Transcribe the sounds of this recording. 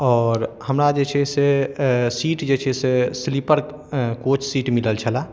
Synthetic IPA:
ɔːɾhəmɾad͡ʒet͡ʃʰesesiːʈd͡ʒet͡ʃʰɛseslipəɾ | koːt͡ʃsiːʈmiləlt͡ʃʰəla

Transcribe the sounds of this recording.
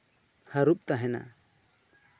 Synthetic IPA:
haɾup̚t̪aɦɛna̰

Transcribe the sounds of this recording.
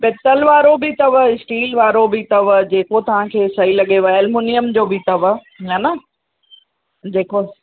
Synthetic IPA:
peːt̪əlʋaːɾobɪt̪ɐʋɪsʈiːlʋaːɾobɪt̪ɐʋd͡ʑeːkot̪ɐʋ̤ãkʰeːsɐɦilɐɠeʋaelmuːnijəmd͡ʑoːbit̪ɐʋ | anɐ | d͡ʑeːko

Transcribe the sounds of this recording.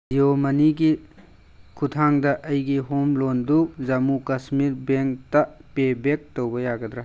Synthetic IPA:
iomɐniɡi | kʰutʰaŋdɐʔɐjɡiɦomlondukzɐmukɐsmiɾbeŋktɐpebek̚towbɐjaɡɐd̪ɾa

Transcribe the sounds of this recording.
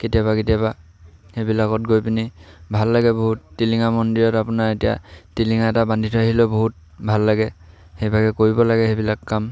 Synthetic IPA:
ketijabaketijaba | hebilakɔtɡojpinibʱalːaɡɛboɦutːiliŋamɔndiɹɔtapunaɹetija̰tiliŋaɛtabandʱitʰaɦilɔboɦut̚ | bʱalːaɡɛ | xejbʱaɡɛkoɹibɔlaɡɛxebilakːam

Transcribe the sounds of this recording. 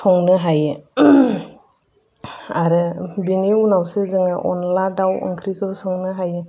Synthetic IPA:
sʰɔŋnɯɦajɯ | aɾɯbiniunawsezɯŋɯʔɔ̰nladawɯ̰ŋkʰɾikʰɯlsɔŋnɯɦajɯ

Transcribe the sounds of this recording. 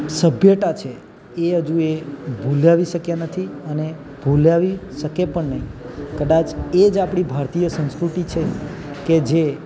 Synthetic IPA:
səbʱjəʈat͡ʃʰe | eəd͡ʒũebʱulaʋiʃəkjanət̪ʰiəne | bʱulaʋiʃəkepəɳnəɦĩkəd̪at͡ʃed͡ʒapɽ̃ibʱaɾt̪ijəsə̃nskɾut̪it͡ʃʰeked͡ʒe

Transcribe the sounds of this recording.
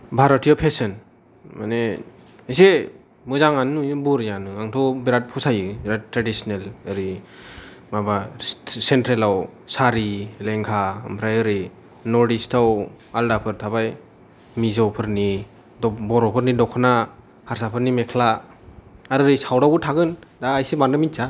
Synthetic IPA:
bʱaɾɔtʰijɔpʰesɯn | ma̰ne | ise | mɯzaŋanɯbuɾjanɯaŋtʰɔbiɾat̚pʰɔsajɯbɾattɾadisnelɯɾi | mabasentɾelawsaɾileŋkʰaɯmpʰɾajɯɾi | nɔɾdistʰaw | aldapʰɯɾtʰabaj | mizawpʰɯɾni | dɔbɔɾɔpʰɯɾnidɔkʰɔna | haɾsapʰɯɾnimekʰla | aɾɯɾisawɾawbutʰaɡɯndaːjsebandamint͡ʃa

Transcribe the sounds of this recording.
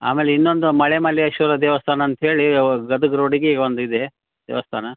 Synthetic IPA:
a̰ːmeːleinːond̪umɐɭemɐliɐʃuːɾɐd̪eːʋɐst̪ʰaːnɐːnt̪ɐɦe̞ːɭiɡɐd̪uɡɐɾoːɽiɡeːond̪uid̪e | d̪̥ḛːʋɐst̪ʰa̰ːnɐ

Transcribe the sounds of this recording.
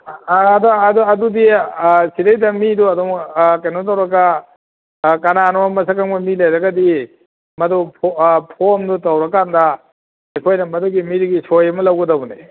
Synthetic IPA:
dɔɐduɐdudisiɾɐjdɐmiduɐdɔŋkɐjnɔt̬awɾɐɡa | kɐnanɔmamɐsakaŋmɐmilajɾɐɡɐdi | mɐdupʰpʰomdutawɾɐkandɐ | ɐjkʰojnɐmɐduɡimiɾiɡisʰojɐmɐlɐwɡɐdɐbɔne

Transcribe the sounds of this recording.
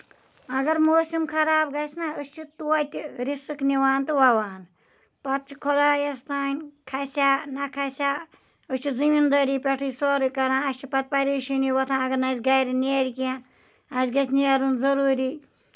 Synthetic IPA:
ɐɡɐɾmoːsimkʰɐɾaːbɡɐsnaəst͡ʃʰit̪uɐt̪ʲɾisɨkniʋaːnt̪ɨʋɐʋaːn | pɐt̪̚t͡ʃʰi̥kʰolaːjɐst̪aːnʲkʰɐsʲaːnɐkʰɐsʲaː | ɨst͡ʃʰizimind̪ɐɾiːpʲɐʈʰɨːsoːɾɨkɐɾãːɐst͡ʃʰipɐt̪̚pɐɾiːʃiniwɐt̪ʰãːɐɡɐɾnɐsɡɐjɾineɾʲikiã | ɐsɡɐt͡ʃniɐɾunzɐɾuːɾiː

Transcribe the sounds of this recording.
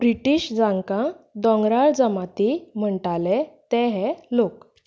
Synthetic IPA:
bɾiʈiːɕd͡zãŋkãd̪ɔ̃ŋɡɾaɭd͡zəmat̪im̤əɳʈalet̪ɛ̃ɦɛlok

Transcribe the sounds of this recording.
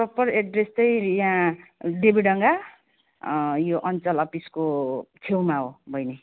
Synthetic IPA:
pʌpʌreɖrest̪ʌjjãɖebiɽʌŋɡa | joʔʌnt͡sʌlʌpiskotʰewmaɦobʱʌjne

